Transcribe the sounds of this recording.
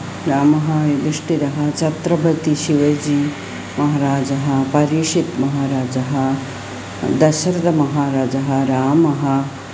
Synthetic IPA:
ɾaːmɐɦɐjuɡ̪iʂʈiɾɐɦɐt͡ʃɐt̪ɾɐbʱɐt̪iʃiʋɐjd͡ʒiː | mɐɦaɾaːd͡ʒɐɦɐ̆pɐɾiʂit̪mɐɦaːɾaːd͡ʒɐɦɐ | d̪ɐʃɐɾd̪ɐmɐɦaːɾaːd͡ʒɐɦɐ̆ɾaːmɐɦɐ̆

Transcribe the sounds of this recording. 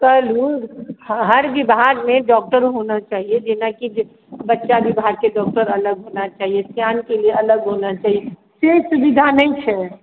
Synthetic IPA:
kəluɡɦɐɾbibʱaːɾmẽɖɔːk̚ʈəɾɦonat͡ʃaːɦied͡ʒɪnakid͡ʒ | bɐtːʃabibʱaːɾkeɖɔːk̚ʈəɾɐləɡɦoːnat͡ʃaːɦiesjaːnkelieʔɐləɡɦoːnat͡ʃaːɦie | sesʊbid̪ʱanəĩt͡ʃʰɛ

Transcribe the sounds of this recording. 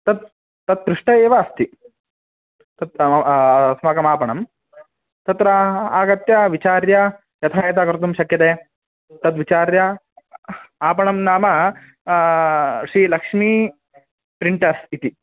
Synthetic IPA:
t̪ɐt̪ː | ɐt̪̚ːɾiʂʈɐeːʋɐːst̪i | t̪ɐt̪ | smɐkɐmaːpɐɳɐm | t̪ɐt̪ɾɐaːɡɐt̪jɐʋit͡ʃaːɾjɐ | jɐt̪ʰaːjɐt̪̬aːkɐɾt̪umʃɐkjɐt̪eː | t̪ɐt̪ʋit͡ʃaːɾjɐ | aːpɐɳɐmnaːmɐ | ʃɾiːlɐkʂmi | pɾiɳʈɐsit̪i

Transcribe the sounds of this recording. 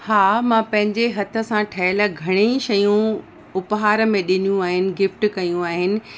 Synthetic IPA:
haːmãpɐ̃ɦɪ̃ɲd͡ʑeɦɐt̪ʰə̆sãʈʰɐɦɪləɡʱɐɽ̃eʃɐjũ | ʊpɦaːɾə̆mẽɗɪnijũaːɦɪnɪ̆ɡɪfʈkɐjũaːɦɪnɪ̆

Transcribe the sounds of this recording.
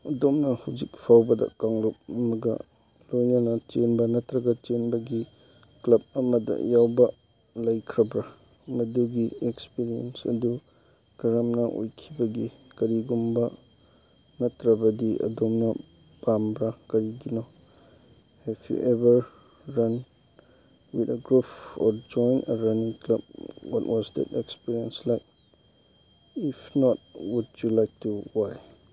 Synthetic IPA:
ɐdomnɐhawd͡ʒik̚pʰawbɐdɐ̰kaŋlop̚ɐmɐɡɐ̰ | lojnɐnɐt͡ʃenbɐnɐtɾɐɡɐt͡ʃenbɐɡi | klɐb̚ɐmɐdɐ̰jawbɐ | lɐjkʰɾɐbɾɐ | mɐduɡiekspiɾiḛnsɐ̰du | ɡ̥ɐɾɐmnɐʔo̰jkʰibɐɡikɐɾiɡumbɐ | nɐtɾɐbɐdiɐ̰dɔmnɐ | b̥ambɾakɐɾiɡinɔ | hɛfjṵʔebəɾː | ɐn | witɐɡɾupʰɔɾd͡ʒɔjnəɾɐniŋklɐb̚wɔ̰twɔzdɛ̰tɛkspiɾiənslajk̚ | ipʰnɔt̚wudjulajk̚tuwaj

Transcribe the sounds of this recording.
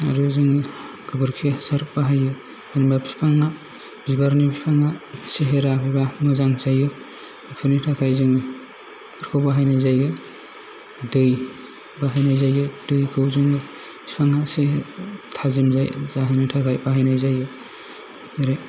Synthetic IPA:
a̰ɾuzɯŋi | ɡɯbɯɾkʰijasaɾaɦajɯ | anibabi̥spʰaŋa | b̥ibaɾnibipʰaŋaseɦeɾabibamɔzaŋzajɯ | ipʰɯnitʰakʰajzɯŋɯ | pʰɯɾkʰawbaɦajnajzajɯ | dɯj | baɦajnajzajɯdɯjkʰɯwzɯŋɯ | bi̥spʰaŋasetʰazimzajzaɦanitʰakʰajbaɦajnajzajɯ | heɾe

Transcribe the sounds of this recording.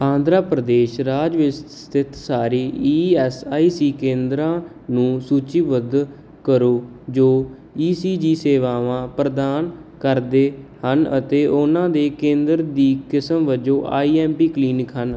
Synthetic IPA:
ãːnd̪ɾaːpɾəd̪eːʃɾaːd͡ʒʋɪst̪st̪ɪt̪saːɾiːiːɛːsaːiːsiːkẽːnd̪ɾãː | nũːsuːt͡ʃiːʋəd̪ | kəɾoː | d͡ʒoː | iːsiːd͡ʒiːseːʋaːʋãːpɾəd̪aːnkəɾd̪eːhənə̰t̪eːʔʊnãːd̪eːkẽːnd̪ɾd̪iːkɪsəmʋəd͡ʒõːʔa̰ːiːɛːmpiːkliːnɪkʰɦən

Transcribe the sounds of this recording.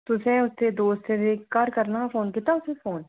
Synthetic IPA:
t̪ʊsɛ̃ʊst̪ed̪oːst̪ed̪eːkkaːɾkɐɾnafoːnkit̪aʊsefoːn

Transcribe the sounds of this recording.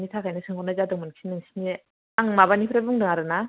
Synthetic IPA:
nitʰakʰajnɯsʰɯŋɡɔnazadɯŋmɯnkʰinɯŋsʰi̥ni | aŋmaβanipʰɾebɯŋdɯŋaɾɯna

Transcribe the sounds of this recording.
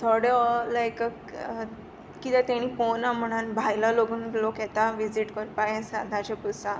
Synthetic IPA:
t̪ʰɔɽelajk | kit̪ɛt̪aɽ̃iponam̤əɽ̃anbʱajlaloɡuːnlokjɛt̪aʋid͡ziʈkəɾpajẽsãd̪ʱãt͡ɕepusã

